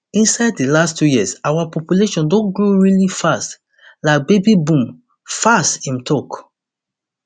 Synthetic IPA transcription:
ĩnsaɪdilastʰjujiəsawapʰɔpjuleʃɔ̃ndɔ̃nɡɹuɹilifast | laɪk̚bebibũm | fastĩmtʰɔk

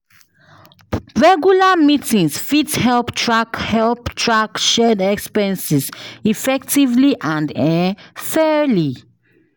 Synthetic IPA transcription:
ɹɛɡjulamitĩŋsfithɛlptʰɹakhɛlptʰɹakʃɛdɛkspɛ̃nsisifɛktivliʔãndɛfɛli

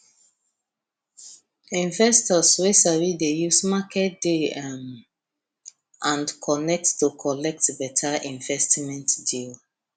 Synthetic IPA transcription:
ĩɱvɛstɔswesaɹidejusmakʰɛt̚d̥eam | ʔãndkʰɔnɛk̚tːukʰɔlɛk̚tbɛtʰaĩɱvɛstmɛ̃ntdil

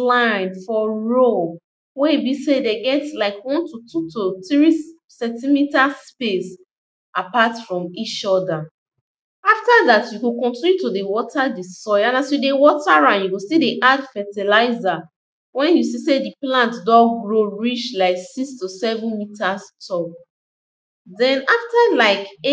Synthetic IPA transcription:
lãɪ̃nfɔɹo | webisedeɡɛtlaɪkwɔ̃ntutʰutʰotɹi | sɛ̃ntimitaspes | apatfɹɔ̃mit͡ʃɔda | aftaðatjuɡokɔ̃ntinjutodewɔtʰadisɔãnasjudewɔtaɹãnjuɡostideʔadfɛtilaɪza | wɛ̃njus̬isediplãntdɔɡɹoɹit͡ʃlaɪksikstusɛvə̃nmitastʰɔk | dɛ̃naftalaɪk

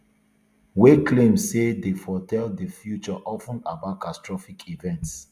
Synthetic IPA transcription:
weklẽmsedefɔtʰɛldəfjut͡ʃɔʔɔfə̃nabatkʰastɹɔfikʰivɛ̃nts

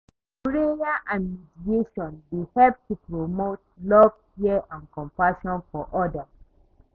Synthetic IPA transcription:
kɹejaʔãnmidieʃɔ̃nbehɛlp̚tupɹomot̚lɔv̥hiəʔãnkɔ̃mpaʃɔ̃nfɔʔɔda

